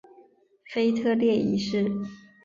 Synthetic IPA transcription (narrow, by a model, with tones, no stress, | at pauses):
fe˥ɪt̪ʰɤ˥˧ljɛ˥˩i˧˥ʂɻ̩˥˩